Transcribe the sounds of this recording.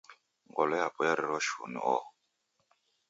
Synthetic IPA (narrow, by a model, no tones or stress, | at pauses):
ŋɡɔlɔjapʼɔjaɾiɾɔʃṵnḭɔ̰